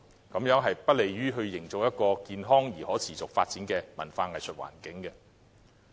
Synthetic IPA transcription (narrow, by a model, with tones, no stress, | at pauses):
kɐ˨˥mjœː˨˥ŋɦɐ˨jpɐ˥t̚le˨jɥyː˥ɦɵ˧ɥjɪ˨˩ŋt͡sʊ˨k̚jɐ˥t̚kɔː˧kiː˨nɦɔː˥ŋjiː˨˩hɔː˨˥t͡sʰiː˨t͡sʊ˨k̚faː˧t̚t͡siː˨˥nkɛː˧mɐ˨˩nfaː˧ŋɐ˨jsɵ˨t̚wa̰ː˨˩nkɪ˨˥ŋɡɛ˧